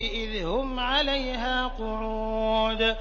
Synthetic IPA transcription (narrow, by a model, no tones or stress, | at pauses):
ʔɪðhʊmʕalajɦaːqʊɾuːd̪